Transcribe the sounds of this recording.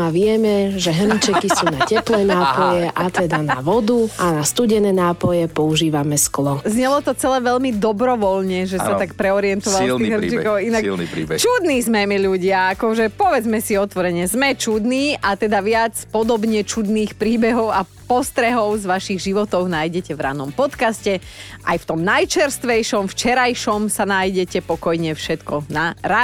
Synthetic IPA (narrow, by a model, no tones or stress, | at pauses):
aʋɪɛmɛʒɛɦ̩it͡ʃɛkisuːnacɛplɛːnaːpɔjɛʔat̪ɛd̪ana̰ʋɔd̪uanast̪uɟɛnɛːnaːpɔjɛpɔuʒiːʋamɛsklɔzɲɛlɔt̪ɔt͡sɛlɛːʋɛʎmid̪ɔbɾɔʋɔlɲɛʒɛsat̪akpɾɛɔɾiɛnt̪ɔʋalliɦrt͡ʃikɔʊinak̪ḭt͡ʃud̪niːzmɛmɛʎuɟɪaakɔʒɛpɔʋɛd͡zmɛsiɔt̪ʋɔɾɛɲɛzmɛt͡ʃud̪niːʔat̪ɛd̪aʋɪat͡spɔd̪ɔbɲɛt͡ʃud̪niːxpɾiːbɛɦɔʊa | pɔst̪ɾɛɦɔʊzʋaʃiɣʒiʋɔt̪ɔʊnaːjɟɛcɛʋɾa̰ːnɔmpɔt̪kascɛ | ʔa̰jft̪ɔmnajt͡ʃɛɾst̪ʋɛjʃɔmft͡ʃɛɾajʃɔmsanaːjɟɛcɛpɔkɔjɲɛfʃɛt̪kɔnaɾa